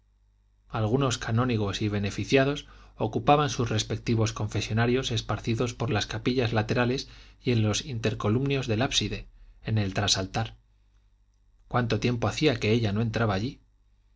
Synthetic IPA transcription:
alɣ̞uno̞skanõ̞niɣ̞o̞siβ̞e̞ne̞fiθjað̞o̞sokupaβansuzre̞spe̞k̚t̪iβ̞o̞sko̞ɱfe̞sjo̞naɾjo̞se̞spaɾθiðo̞spo̞ɾlaskapiʎazlat̪e̞ɾale̞sje̞nlo̞sint̪e̞ɾko̞lumnjo̞zðe̞lapsiðe̞ene̞lt̪ɾasalt̪aɾ | kwant̪o̞t̪je̞mpo̞aθiake̞e̞ʎano̞e̞nt̪ɾaβaːʎi

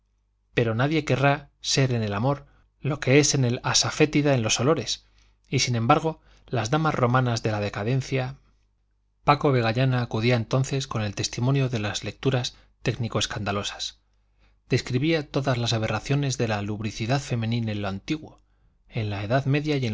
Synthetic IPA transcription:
pe̞ɾo̞naðje̞ke̞ra | se̞ɾe̞ne̞lamo̞ɾ | lo̞ke̞e̞se̞ne̞lasafe̞t̪iðaenlo̞solo̞ɾe̞s | isinẽ̞mbaɾɣ̞o̞ | lazðamazro̞mãnazðelað̞e̞kaðe̞n̟θja | pakoβe̞ɣ̞aʝanaːkuðiaent̪o̞nθe̞sko̞ne̞lt̪e̞st̪imonjo̞ðe̞lazlek̚t̪uɾas | t̪e̞ɡnikoe̞skand̪alo̞sḁs | d̪̥e̞skɾiβiat̪o̞ðazlasaβe̞raθjo̞ne̞zðe̞laluβɾiθiðaðfe̞mẽ̞nĩnenloant̪iɣwo̞ | e̞nlae̞ðaðme̞ðjaje

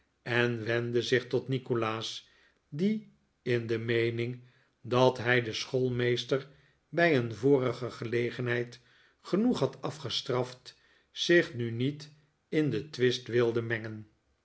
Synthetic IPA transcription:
ɛnʋɛndəzɪχtɔtnikolaːs | di | ɪndəmejnɪŋ | dɑtɦɛjdəsχolˠmejstər | bɛjənvoːrəχəχəlejχənɦɛjt | χənuχɦɑtɑfχəstrɑft | sɪχnynit | ɪndətʋɪstʋɪlˠdəmɛŋən

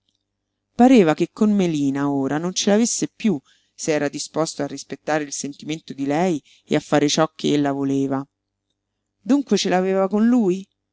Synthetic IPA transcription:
paɾeːvakekːonmeliːnaoːɾanont͡ʃelavesːepju | seɛːɾad̪ispost̪oarːispet̪ːaːɾeilsent̪iment̪od̪ilɛj | ḛafːaːɾet͡ʃɔkʰːeelːavoleːva | d̪uŋkwet͡ʃelaveːvakonluːj

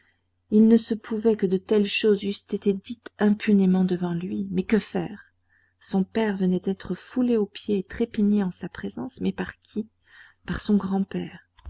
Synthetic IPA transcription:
ilnəsəpʰuvɛkəd̪ət̪ɛlʃozyst̪et̪ed̪it̪ɛ̃pʰynemɑ̃d̪əvɑ̃lɥimɛkəfɛ̰ːʁ | sɔ̃pɛʁvənɛd̪ɛt̪χəfuleopjeːt̪χepiɲeɑ̃sapχezɑ̃smɛpaʁkʲʰi | paʁsɔ̃ɡʁɑ̃pɛːʁ

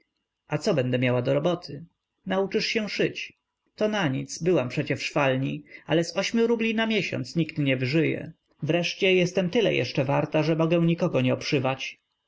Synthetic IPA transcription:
ʔat̪sɔbɛnd̪ɛmʲjawad̪ɔɾɔbɔt̪ʰɘ | naut͡ʂɘʂɕɛ̃ʂɘt͡ɕ | t̪ɔnaɲit̪sbɘwampʂɛt͡ɕɛfʂfalɲialɛsɔɕmʲjuɾublʲinamʲjɛɕɔ̰nt̪sɲikt̪ɲɛvɘʐɘjɛ̰ | vɾɛʂt͡ɕɛjɛst̪ɛmt̪ɘlɛ̰jʔɛ̰ʂt͡ʂɛvaɾt̪aʐɛmɔɡɛw̃ɲikɔɡɔɲɛɔpʂɘvat͡ɕ

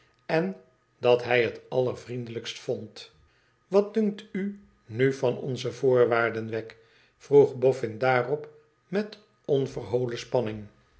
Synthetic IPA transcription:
ɛn | dɑtɦɛjɦətɑlˠəɹvrindələkstfɔnt | ʋɑt̚dɵŋk̚ty | nyfɑnɔ̰nzəvʊːɹʋaːɹdənʋɛk | fruχbɔfɪndaːrɔp | mɛt | ɔnvərɦowləspɑnɪŋ

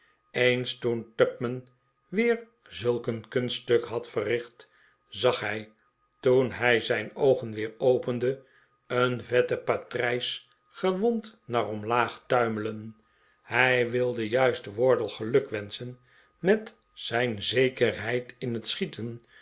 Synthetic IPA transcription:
ejnstuntœp̚mən | ʋɪːɹ | zɵlˠkənkɵnstøkɦɑtfərɪχt | zɑχɦɛj | tunɦɛjzɛjnowχənʋɪːɹowpəndə | ənvɛtəpatrɛjs | χəʋɔntnaːrɔmlaːχtœɥmələn | hɛjʋɪlˠdəjœɥstəʋɔɹdəlˠχəlɵkʋɛnsən | mɛt | sɛjnzejkərɦɛjtɪnɦətsχitʰən

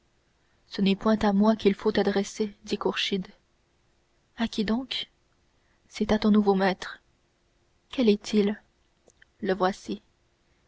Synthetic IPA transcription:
sənɛpwɛ̃t̪amwakʲilfot̪ad̪ʁɛsed̪ikuʁʃid̪ | akʲid̪ɔ̃k | sɛt̪at̪ɔ̃nuvomɛːt̪χ | kʲɛlɛt̪ʰil | əvwasi

